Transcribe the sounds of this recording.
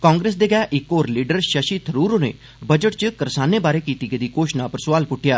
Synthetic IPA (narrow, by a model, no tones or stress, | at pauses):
kaːŋɡɾeːs̬d̪eːɡɛːʔɪkːoːɾliːɖəɾʃəʃiːt̪ʰəɾuːɾoːnḛː | bəd͡ʒəʈt͡ʃəkəɾsaːneːbaːɾeːkiːt̪iːked̪iːkoːʃnãːpəɾsʊʋaːlpʊʈʰːɪjaː